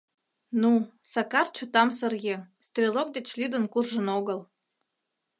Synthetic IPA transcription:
nusɑkɑrt͡ɕut̪ɑmsə̆rɣest̪rʲelok̚d̪et͡ɕlyd̪ə̆nkurʒə̆noɣəl

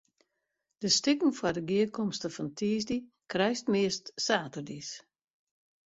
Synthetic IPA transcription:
d̥əstɪkŋ̩fwadəɡiəkʰɔmstəfɔntʰiːzdi | krɛjstmɪəstsaːtərdis

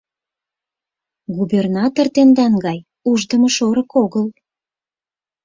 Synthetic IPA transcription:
ɡubernɑt̪ort̪end̪ɑnɡɑj | uʒd̪əməʃoɾəkoɣəl

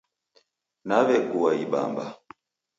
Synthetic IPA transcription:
naβɛɡuwaiɓa̰mba̰

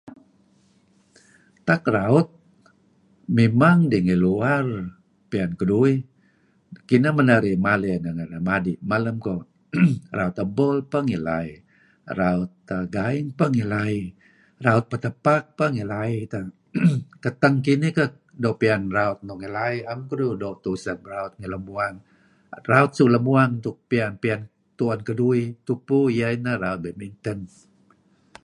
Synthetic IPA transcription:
t̪akraʊt̪̚ | memaŋdiŋiluar | piankədui | kinamənaɾimalinəŋənamadimaləmko | raut̪əbɔlpəŋila̰i | raʊt̪əɡaɪŋpəŋilai | raut̪̚pət̪əpak̚pəŋilait̪a | k̪ət̪əŋkinikə | dopianraʊt̪̚nɔŋilaiamkuɾudot̪usəmɾaut̪̚ŋiləmuaŋ | raut̪̚suʔləmuaŋnt̪ʊk̚pianpian | t̪uankəduit̪upujainəɾaut̪̚bəmint̪ən

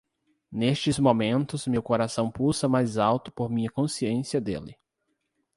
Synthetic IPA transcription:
nest͡ʃɪzmomẽnt̪ʊzmewkoɾasɐ̃w̃pusɐmajzawt̪ʊ̥poɾmĩɲɐkõsiẽsiɐd̪ḛlɪ

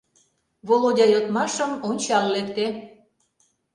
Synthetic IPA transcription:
βolodʲɑjot̪mɑʃəmonʲt͡ɕɑllekt̪e

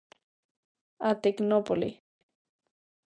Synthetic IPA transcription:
at̪iknopolḭ

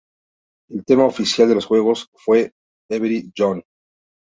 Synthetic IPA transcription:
elt̪e̞maofisjald̪e̞lo̞sxwe̞ɣ̞o̞sfwe̞ | eβiɾid͡ʒon

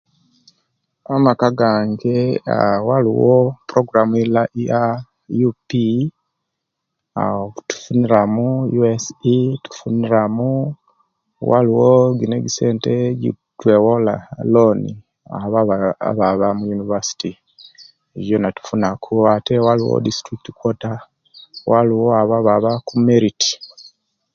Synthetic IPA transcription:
amakaɡaːŋɡe̞a̰walḭwopuɾoɡuɾamuilaʔja | jupi | atu̥funiɾamujuesitu̥funiɾamu | wa̰liwoɡineɡiseːnteɟḭ | twewola̰loni | a̰βaβa̰βaβamujunivasi̥ti | eβjonatu̥funakʰuwatewaliwo̰distɾikitikwota | wʔaliwoaβaβaβakumeɾiti̥

